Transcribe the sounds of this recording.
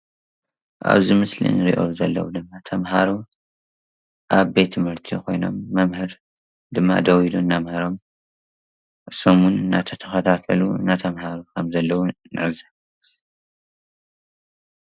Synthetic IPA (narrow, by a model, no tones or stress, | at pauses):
ʔa̰βzimɨslḭnɾḭʔo̞̰zɐlːɐ̰wud̪ɨmːat̪ʰɐmɦaɾu | ʔaβbe̞t̪ʰːɨmhɨɾt̪ʰikʰo̞jno̞̰mːɐmhɨɾ | d̪ɨmːa̰d̪ɐwid̪unːamhɐɾo̞m | somunɨnːat̪ʰɐt̪ʰɐ̥xɐt̪ʰat̪ʰɐluɨ̰nːat̪ʰɐmhaɾukʰɐmzɐlːɐwunɨʕɨzɐ